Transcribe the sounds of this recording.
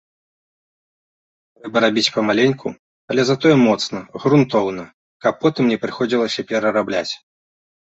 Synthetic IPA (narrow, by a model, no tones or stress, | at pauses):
t̪ɾɛbɐɾabʲit͡sʲpɐmalʲenʲku | ɐlʲɛzat̪ɔjɛmɔt̪snɐɣɾunt̪ɔwnɐ | kɐpːɔt̪ɨmnʲɛpɾɨxɔd͡zʲilˠɐsʲɐpʲɛɾɐɾablʲat͡sʲ